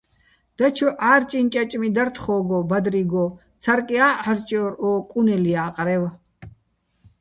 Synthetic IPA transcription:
d̪̥at͡ʃʰɔʔaːɾt͡ʃʼint͡ʃʼat͡ʃʼmid̪aɾt̪ʰχɔːɡɔbad̪ɾiɡɔ | t͡sʰaɾkʼiaʔaɾt͡ʃʼɔɾɔːkʼunɛliaːqʼɾɛwa

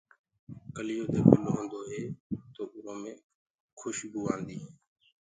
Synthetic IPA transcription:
kəlɪjoːt̪eːbəloːɦə̃nd̪oːɦeːt̪oːʔʊnoːmẽː | kʰʊʃɡuːaːnd̪iːɦẽː

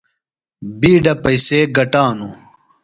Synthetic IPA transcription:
biːɖɐpɐjseːɡɐʈaːnu

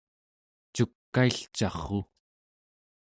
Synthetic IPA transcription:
t͡ʃukːaiɬt͡ʃɑχu

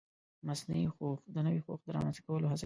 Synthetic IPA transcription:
masnaixoxd̪ənəwixoxd̪əɾɑ̰manst̪akawəlohasa

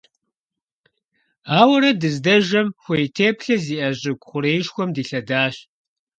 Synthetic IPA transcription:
aːwɐɾɐdɨzdɐʒɐmxʷejtʰeːpɬɐziːʔɐʑɪɡʷʼχʷʊɾeːjʃxʷɔmdiːɬɐdaːɕ

